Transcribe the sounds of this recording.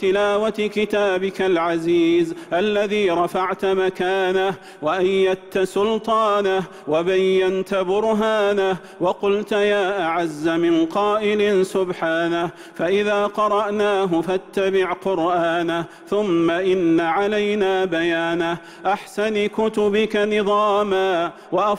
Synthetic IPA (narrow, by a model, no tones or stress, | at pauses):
t̪ɪlaːwat̪kɪt̪aːbɪkalʕaziːzʔalːaðiːɾˤɑfaʕt̪makaːnah | waʔajːat̪ːsʊlt̪ˤɑːnah | wabajːant̪bʊɾɦaːnah | wɑqʊlt̪jaːʔaʕazːamɪnqɑːʔɪlɪsʊbħaːnah | faʔɪðaːqɑɾˤɑʔnaːɦʊfat̪ːabɪʕqʊɾʔaːnah | θʊmːaʔɪnːaʕalajnaːbajaːnah | ʔaħsanɪkʊt̪ʊbɪkanɪðˤɑːmaː | waʔa